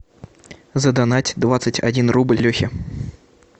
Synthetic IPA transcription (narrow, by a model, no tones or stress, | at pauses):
zəd̪anatʲd̪vat̪sɨtʲa̰dʲinrublʲlʲɵxʲɪ